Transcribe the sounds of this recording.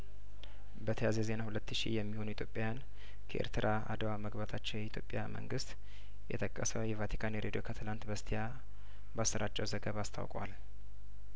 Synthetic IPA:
bət̪ʰəjazəze̞nahulət̪ːɨʃḭjɛmːiho̞nuit̪ʰjo̞pʼjajan | kʰəʔḛɾt̪ʰɨɾʔaa̰d̪əwaməɡbat̪ʰat͡ʃːɛwjɛit̪ʰjo̞pʼːja̰mə̰ŋɡɨst̪ | jɛ̰t̪ʰəkʼːəsəwjɛvat̪ʰi̥kʰaneɾed̪ijokʰət̪ʰɨlant̪bəst̪ʰija | basːəɾat͡ʃʼːɛwzəɡəβast̪ʰa̰wkʼwa̰l

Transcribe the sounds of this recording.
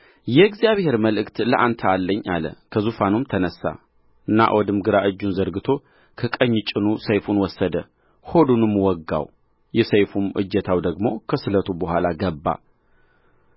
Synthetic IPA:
jɛɡzjaβhe̞ɾməlɨkt̪ləʔant̪ʰəalːəɲːa̰lə̰kʰəzufanumt̪ʰənəsːa̰ | ʔɨnːa̰ʔwʔɔd̪ɨmɡɨɾaʔɨd͡ʒːunzəɾɡɨt̪ʰo̞ | kʰəkʼəɲːt͡ʃʼɨnusəjfunwɔsːəd̪ə | ho̞d̪unɨmwɔɡːa̰w | jɛsəjfumʔɨ̰d͡ʒːɛt̪ʰawd̪əɡmokʰəsɨlət̪ʰubəhʷalaɡəbːa̰

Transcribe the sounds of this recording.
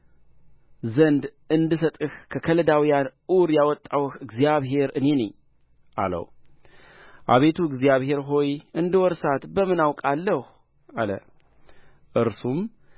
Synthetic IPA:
zənd̪ | ɨnd̪ɨsət̪ʼɨhkʰəkʰələd̪awijanuɾjawɔt̪ʼːawhɨɡzijaβɦe̞ɾɨne̞nəɲː | ʔa̰lə̰w | ʔa̰βe̞t̪ʰuɨɡzijaβhe̞ɾɦo̞jɨnd̪ɨwɔɾsat̪bəmɨnawkʼalːəh | alə̰ | ʔɨɾsum

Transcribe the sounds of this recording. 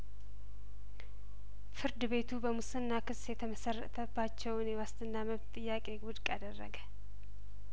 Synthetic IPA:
fɨɾd̪ɨbe̞t̪ʰubəmusɨnːakɨsjɛt̪ʰəməsərːə̰t̪ʰəbat͡ʃːɛwɨnjɛwast̪ʰɨnːaməβt̪t̪ʼːɨjːakʼe̞ɡʊd̪kʼad̪ərːə̰ɡə

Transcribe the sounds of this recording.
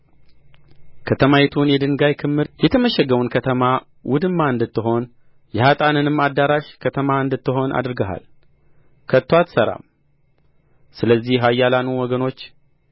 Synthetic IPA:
kʰət̪ʰəmajɛt̪ʰunjɛd̪ɨŋɡajkʰɨmːɨɾjɛt̪ʰəməʃɛɡəwunkʰət̪ʰəma | wʔʊd̪ɨmːaɨnd̪ɨt̪ːɨɦo̞n | jɛhat̪ʼanɨnɨmad̪ːaɾaʃkʰət̪ʰəmaɨnd̪ɨt̪ːɨɦo̞na̰d̪ɨɾɡəɦa̰l | kʰət̪ːwat̪səɾa̰m | sɨləzːihɦajːalanuwɔɡəno̞t͡ʃː

